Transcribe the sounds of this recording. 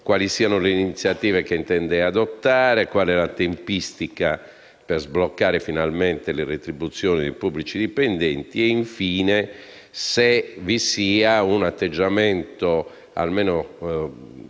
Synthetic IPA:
kwaːlisiːanoleiniit̪sːjat̪iːvekeint̪ɛnd̪ead̪ot̪ːaːɾekwaːlɛlat̪empist̪ika | perzblokːaːɾefinalment̪eleret̪ɾibut̪sːjɔːnid̪ejpubːlit͡ʃid̪ipend̪ɛnt̪iɛiɱfiːne | sevisiːaunat̪ːed͡ʒːamɛnt̪o | a̰lmeːno

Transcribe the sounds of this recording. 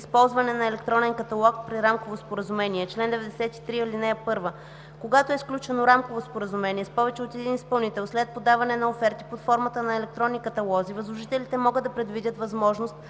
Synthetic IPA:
ispɔlˠzvɐnɛnɐɛlɛkt̪ɾɔnɛnkɐt̪ɐlˠɔk̚pɾiɾamkovospoɾəzumɛniɛt͡ʃlɛnd̪ɛvɛd̪ɛsɛt̪i̥t̪ɾiəlinɛɛpɤɾvə | koɡat̪oɛsklʲut͡ʃɛnoɾamkovospoɾəzumɛniɛspɔvɛt͡ʃɛot̪ɛd̪inispɐlˠnit̪ɛlˠslɛt̪̚pod̪avɐnɛnɐofɛɾt̪ipot̪fɔɾmət̪ənɐɛlɛk̚t̪ɾɔnːikɐt̪ɐlˠɔzivəzlˠoʒit̪ɛlit̪ɛmɔɡɤd̪ːɐpɾɛd̪vid̪ʲət̪vɐzmɔʒnost̪̚

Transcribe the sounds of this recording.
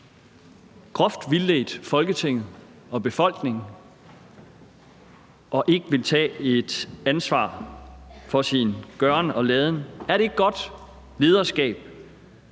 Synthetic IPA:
ɡ̥ʁɔfd̥ʋilːeːd̥fɒ̽lɡ̥ət͡sʰe̝ŋ̰ð̩ˠɒ̽b̥e̝fɒ̽l̰ɡ̥ne̝ŋ | ʔɒ̽ʔe̝ɡ̥əʋe̝lt͡sʰɛ̰ːe̝d̥ænsʋɑ̰̈ː | fɒ̽sinɡ̥ɶɐnɒ̽lɛːð̞ˠənæɐd̥eeɡ̥̚ɡ̥ɒ̽d̥ | le̝ːð̞ˠɐsɡ̥ɛ̰ːb̥̚

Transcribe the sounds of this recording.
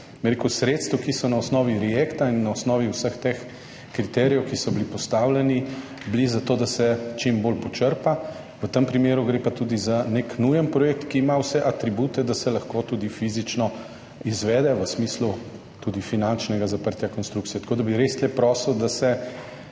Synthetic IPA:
mɛɾekusɾet̪st̪ʋukisɔnaɔsnɔːʋiɾɛjekt̪ainːaɔsnɔːʋiwsəxt̪ex | kɾit̪ɛɾijɛwkisɔbilipɔst̪awlɛni | blizat̪oːd̪asɛt͡ʃimbolpɔt͡ʃəɾpa | ʋət̪əmpɾimeːɾuɡɾepat̪uːd̪izaneknujənpɾɔjeːk̚t̪kiːmawsɛʔat̪ɾibut̪ɛd̪asɛlɐxkot̪uːd̪ifizit͡ʃnɔ | izʋɛːd̪ɛʋəsmislu | t̪ud̪ifinant͡ʃnɛɡazapəɾt̪jakɔnst̪ɾukt̪sijɛt̪ɐ̥koːd̪abiɾest̪lɛpɾɔːsld̪asɛ

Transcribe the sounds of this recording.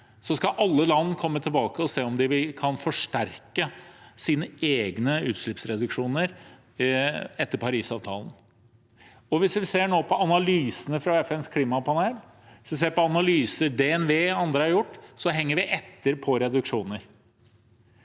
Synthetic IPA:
sɔskɑʔɑlːəlɑnːkʰɔmːət̪ʰɪlbɑːkəɔseːɔmd̪ɪʋɪkʰɑnfɔʂʈæɾkəsiːnəeːɡnəʉ̰ːt̪ʂɭʏpsɾɛd̪ʉkʂuːnəɾ | ɛt̪ːəɾpʰɑɾiːsɑːʋt̪ʰɑ̰ːlən̩ | ɔʋɪsʋɪseːɳoːpʰɔɑnɑlyːsənəfɾɑɛfɛnskʰliːmɑpʰɑneːl | ʋɪsʋɪs̬eːɾpɔɑnɑlyːsəd̪ɛɛnʋeːɑnd̪ɾəɑɾjʊʈːsɔɦɛŋːəɾʋɪʔɛt̪ːəɾpʰɔɾɛd̪ʉkʂuːnəɾ

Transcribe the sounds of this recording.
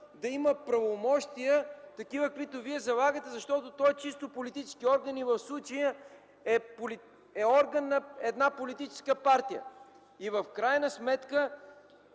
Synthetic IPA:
d̪ɐiməpɾɐvomɔʃt̪ijət̪ɐkivəkit̪oviɛzɐlˠaɡət̪ɛzɐʃt̪ɔt̪ot̪ɔɛt͡ʃist̪opolit̪it͡ʃɛ̥skiɔɾɡənivɐfslˠut͡ʃəjə | ɛpoli | ɛɔɾɡənːɐɛd̪napolit̪it͡ʃɛ̥skəpaɾt̪ijə̰ | ivɐfkɾajnəsmɛt̪kə

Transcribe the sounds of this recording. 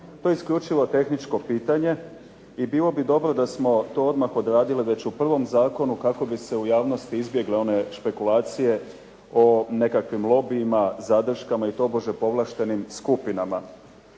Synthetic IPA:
t̪ojskʎut͡ʃiʋo̞t̪e̞xnit͡ʃko̞piːt̪aɲe̞ | ibiːlo̞bid̪o̞bɾo̞d̪asmo̞t̪o̞ːo̞d̪maxo̞d̪ɾaːd̪iliʋe̞t͡ɕupr̩ʋo̞mzaːko̞nukako̞bise̞ujaːʋno̞st̪iizbje̞ɡleo̞ne̞ʃpe̞kulaːt̪sije̞ | o̞ne̞kakʋimlˠo̞biːmazad̪r̩ʃkamait̪o̞ːboʒepo̞ʋlˠaʃt̪e̞nimskupinama

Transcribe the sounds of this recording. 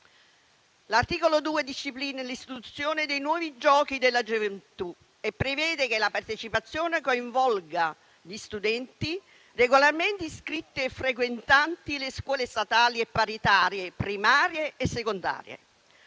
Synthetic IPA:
lart̪iːkolod̪uːed̪iʃːipliːnelist̪it̪ut̪sːjoːned̪ejnwɔːvid͡ʒɔːk̟id̪elːad͡ʒovent̪u | epːɾevɛːd̪ek̟elapart̪et͡ʃipat̪sːjoːnekoiɱvɔlɡa | ʎist̪ud̪ɛnt̪i | reɡolarment̪iskɾit̪ːeefːɾekwent̪ant̪ileskwɔːlest̪at̪aːliepːaɾit̪aːɾjepɾimaːɾjeːsːekond̪a̰ːɾjḛ

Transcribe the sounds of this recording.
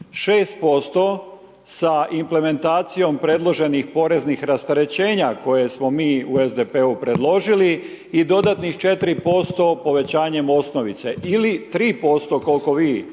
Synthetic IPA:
ʃeːst̪̚po̞st̪o̞ | saʔimple̞me̞nt̪aːt̪sijo̞mpɾe̞d̪lˠo̞ʒe̞nixpo̞ɾe̞znixɾast̪aɾe̞t͡ɕe̞ːɲako̞je̞smo̞miːuezd̪epeupɾe̞d̪lo̞ʒili | id̪o̞d̪at̪nixt͡ʃe̞t̪ɾipo̞st̪o̞po̞ʋe̞t͡ɕaːɲe̞mo̞sno̞ʋit̪se̞ʔilit̪ɾiːpo̞st̪o̞ko̞lko̞ʋiː

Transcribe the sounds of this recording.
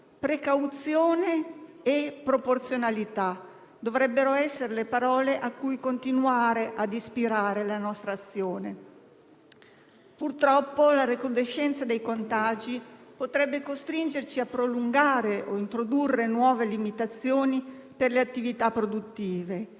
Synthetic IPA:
pɾekawt̪sjoːneː | pːɾoport̪sjonalit̪a | d̪ovɾɛbːeɾoɛsːeɾelepaɾɔːleʔakːujkont̪inuaːɾeʔad̪ispiɾaːɾelanɔst̪ɾaːt̪sːjoːne | purt̪ɾɔpːolaɾekud̪eʃːɛnt̪sad̪ejkont̪ad͡ʒipot̪ɾɛbːekost̪ɾind͡ʒert͡ʃiapːɾoluŋɡaːɾeʔoint̪ɾod̪urːenwɔːvelimit̪at̪sːjoːniperleat̪ːivit̪apːɾod̪ut̪ːiːve

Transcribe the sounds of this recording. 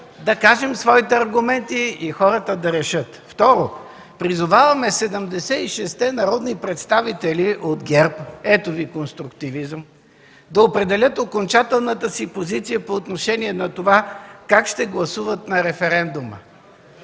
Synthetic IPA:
d̪ɐkaʒɛmsvɔit̪ɛɐɾɡʊmɛnt̪iixɔɾət̪əd̪ɐɾɛʃɤt̪ft̪ɔɾo | pɾizʊvavɐmɛsɛd̪əmd̪ɛsɛiʃɛst̪ɛnɐɾɔd̪nipɾɛt̪st̪avit̪ɛliʔot̪ɡɛɾpɛt̪ovikonst̪ɾʊk̚t̪ivizəm | d̪ɐopɾɛd̪ɛlʲət̪okont͡ʃat̪ɛlˠnət̪əsipozit̪sijəpoːt̪noʃɛniɛnɐt̪ovakakʃt̪ɛɡlˠɐsuvət̪nɐɾɛfɛɾɛnd̪umə̰

